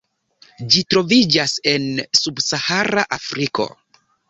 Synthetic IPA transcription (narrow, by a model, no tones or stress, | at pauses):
d͡ʒitɾo̞vid͡ʒase̞nsubsahaɾaʔafɾiko̞̰